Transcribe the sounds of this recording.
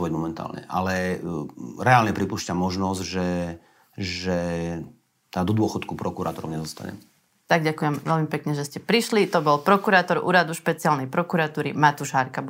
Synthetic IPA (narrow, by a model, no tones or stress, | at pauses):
ʋɔɟmɔmɛnt̪a̰ːlɲɛ̰ʔa̰lɛ | ɾɛaːlɲɛpɾipuːʃcamɔʒnɔzɟʒɛ | ʒɛ | d̪ɔd̪ʊɔxɔt̪kupɾɔkuɾa̰ːt̪ɔɾɔ̰ʊɲɛzɔst̪a̰ɲɛ̰m | t̪aɡɟakujɛmʋɛlmipɛkɲɛʒɛscɛpɾiʃlit̪ɔbɔlpɾɔkuɾaːt̪ɔɾṵːɾad̪uʃpɛt͡sialnɛjpɾɔkuɾat̪uːɾimat̪uʒɦaɾka